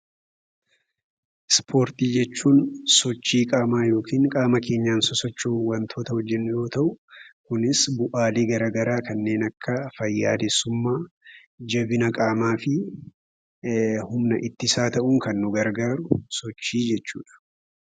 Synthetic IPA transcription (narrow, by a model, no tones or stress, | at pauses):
spʰo̞ːɾt̪iːd͡ʒɛt͡ʃːuːnsɔt͡ʃːiːkʼaːmaːjo̞ːkʰiːŋkʼaːmɐke̞ːɲːaːnsɔsɔt͡ʃːuːwɐnt̪ʰo̞ːt̪ɐhɔd͡ʒːɛnːʊjo̞ːt̪ɐʔʊkʊnɪsbʊʔaːleːɡɐɾaːɡɐɾaːkɐnːe̞ːnɐkːɐfɐjːa̰ːd̪ɛsːʊmːaː | d͡ʒɐbɪnɐkʼaːmaːfɪ | hʊmnɐʔɪt̪ːɪsaːt̪ɐʔʊŋkɐnːʊɡɐɾɡaːɾʊsɔt͡ʃːiːd͡ʒɛt͡ʃːuːᶑɐ̥